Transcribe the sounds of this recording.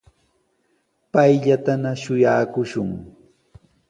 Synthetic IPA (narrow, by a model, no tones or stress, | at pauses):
pajʎat̪anaʃʊjaːkʊʃʊŋ